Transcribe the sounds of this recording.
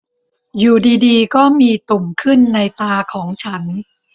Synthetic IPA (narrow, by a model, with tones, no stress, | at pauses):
juː˨˩diː˧diː˧kɔː˥˩miː˧t̪u˨˩mkʰɯ˥˩nːa˧jt̪aː˧kʰɔː˩˦ŋt͡ɕʰa˦˥n